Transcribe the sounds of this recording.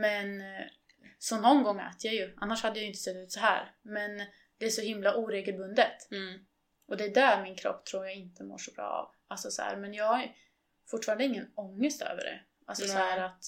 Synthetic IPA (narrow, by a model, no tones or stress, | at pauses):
mɛn | sɔnːɔnɡɔŋːɛ̰ːt̪əjajɵʔanːaʂhad̪ːəjajʏnt̪əsɛt̪ːʉ̟ːt̪sɔɦæ̰ːɾmɛn | d̪ɛæʂɔhɪmlaʔuːɾeːɡəlbɵnd̪ət̪ | ʔɔd̪ɛːd̪æɾmɪnkʰɾɔ̰pːt̪ʰɾuːɾjaɡɪnt̪ʰəmo̰ːʂɔbɾɑ̰ːa̰v | alsɔsɔhæ̰ːɾmɛnjɑːɡaj | fʊʈːfɑːɾand̪əɪŋːənɔŋːəst̪ʰø̰ːvə̰ɖɛ̰ | ʔalsɔsɔhæːɾat̪